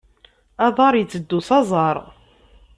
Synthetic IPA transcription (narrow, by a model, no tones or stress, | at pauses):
ɑðˤɑɾˤjət͡sːəd̪ːusɑzˤɑɾˤ